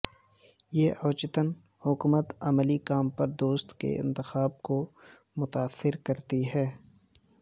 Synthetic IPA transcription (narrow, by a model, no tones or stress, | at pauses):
jeːʔɔːt͡ʃɪt̪ən | hʊkumət̪ɐməlikaːmpɐɾd̪oːst̪kḛɪ̰̃nt̪ɪxaːb̚ko | mʊt̪aːsːɪɾkɐɾt̪iɦɛː